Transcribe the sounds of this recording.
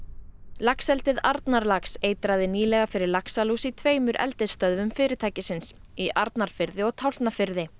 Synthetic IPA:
laksɛlt̪ɪðaɾt̪naɾlakseːjt̪ɾaðɪniːlɛɣafɪɾɪɾlaksaluːsit̪ʰveːjmʏɾʔɛ̰lt̪ɪst̪œðvʏmfɪːɾɪt̪ʰaːjcɪsɪns | iʔaɾt̪naɾ̥fɪɾðɪɔɣt̪ʰawlt̪nafɪɾðɪ

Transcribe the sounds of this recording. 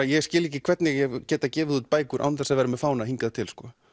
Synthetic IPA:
jɛɣscɪːliːcɪkʰvɛt̪nɪajɛcɛːt̪acɛːvɪðut̪̚paːjkʏɾʔa̰wnθɛsːaðvɛːɾamɛfaːwnahiŋkaðt̪ʰɪlskɔ

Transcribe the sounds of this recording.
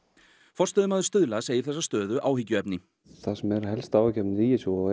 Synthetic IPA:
fɔr̥st̪œːðʏmaːðʏɾ̥st̪ʏðlaseːjɪɾ̥θɛsːast̪œːðʏʔaːwhɪcːʏɛpnɪ | θasɛmɛɾhɛlst̪aːwacɛpnɾijɪsjɔɔ

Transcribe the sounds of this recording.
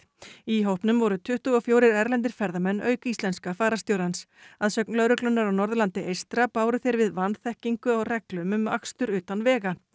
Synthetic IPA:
iɦowhpnʏmvɔɾʏt̪ʰʏht̪ʏɣɔfjoːwɾɪɾɛɾlɛnt̪ɪɾ̥fɛɾðamɛnːʔœːɥkist̪lɛnskafaːɾast̪jowɾans | aðsœk̚nlœɾʏklʏnːaɾawnɔɾðʏlant̪ɪʔejst̪ɾapaːwɾʏθjɛɾvɪðvanθɛhciŋkʏawrɛklʏmʏma̰kst̪ʏɾʏːt̪anvɛːɣa

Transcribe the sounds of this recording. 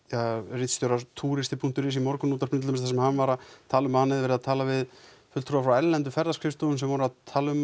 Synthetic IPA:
arit̪st̪jowɾat̪ʰuːɾɪst̪ɪpʰun̥t̪ʏɾɪsimɔɾkʏnuːt̪aɾ̥pnɪt̪ʏmɪsθɛsɛmhanvaɾat̪ʰaːlʏmhanːɪðvɛɾɪðat̪ʰaːlavɪð | fʏt̪ʰɾɔwafɾawɛllɛnt̪ʏfɛɾðaskʰɾɪfst̪ɔʏnsɛmvaɾʏaðt̪ʰaːlʏm

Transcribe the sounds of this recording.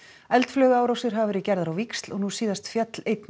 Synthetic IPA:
ɛlt̪flœːɣʏaːwɾawsɪɾ̥ɦavavɛɾɪcɛɾðaɾawvikst̪lɔɣnusiːðast̪fjɛt̪lejt̪n

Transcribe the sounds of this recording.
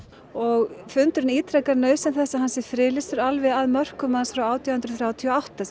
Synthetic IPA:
ɔɣfʏnt̪ʏɾɪniːt̪ʰɾɛkaɾnœːɥsɛmθɛsːahansɪɾfɾɪːlɪsʏɾalvɪaðmœr̥kʏmansfɾawaːwt̪ʰjawhʏnt̪ɾʏθɾjaːwt̪ʰiɔawht̪a

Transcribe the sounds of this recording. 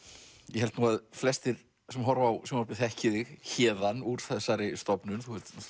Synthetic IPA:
jɛhɛlt̪nuɣaðflɛst̪ɪɾ | sɛmɦɔɾvawsɛmɔp̪ɪθɛhcɪðɪɣçɛːðanuɾ̥θɛðsaɾɪst̪ɔpnʏnθuɛt̪

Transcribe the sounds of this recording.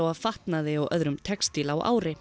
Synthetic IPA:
awaðfaht̪naðɪawʔœðɾʏmt̪ʰɛkst̪iːlawa̰ːwɾɪ

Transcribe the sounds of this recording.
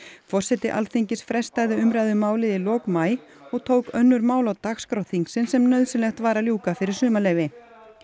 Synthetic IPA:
fɔr̥sɛt̪ɪʔa̰lθiɲcɪsfɾɛst̪ajðɪʏmɾajðʏmaːwlɪðɪlɔːkmaːj | ɔɣt̪ʰoːwkœnːʏɾmaːwlawt̪axskɾawθiŋksɪnsɛmnœɥðsɪlɛxt̪vaːɾaljuːkafɪɾɪɾ̥sʏːmalɛːjvɪ

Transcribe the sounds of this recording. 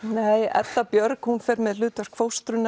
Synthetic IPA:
neːjɛ̰t̪ːapjœɾkhunfɛɾmɛðlʏːt̪œɾ̥kʰvowst̪ɾʏn

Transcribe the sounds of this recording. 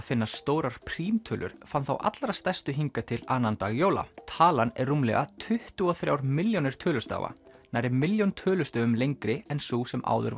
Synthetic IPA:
fɪnːast̪oːwɾaɾ̥pʰɾ̥iːmt̪ʰœːlʏ̰ɾ̥fanθa̰wʔa̰t̪lɾast̪ɛr̥st̪ʏɦiŋkat̪ʰɪlaːnant̪aːɣjoːwla̰t̪ʰaːlanɛrːumlɛ̰ɣat̪ʰʏht̪ʏɔθɾjawɾmɪljonɪɾ̥t̪ʰœːlʏst̪a̰ːwva̰najɾɪmɪljownt̪ʰœːlʏst̪œːʏmlejŋkɾɪɛnsuːsɛmʔa̰ːwðʏ̰ɾv

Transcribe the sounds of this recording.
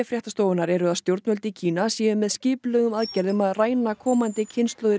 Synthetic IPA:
ɛfɾjaht̪ast̪oːwʏnaɾɛɾʏaðst̪jowɾt̪nvœlt̪ɪicʰiːnasiːʏmːɛðscɪːplœɣʏmaðcɛɾðʏmaðraːjnakʰɔːmant̪ɪcʰɪnst̪lœwðɪ

